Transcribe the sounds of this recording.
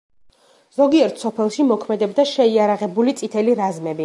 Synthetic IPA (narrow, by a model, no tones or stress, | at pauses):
z̥ɔɡiɛɾt̪ʰsɔpʰɛlˠʃimɔkʰmɛd̪ɛbd̪aʃɛiaɾaʁɛbulit̪sʼit̪ʰɛliɾazmɛbi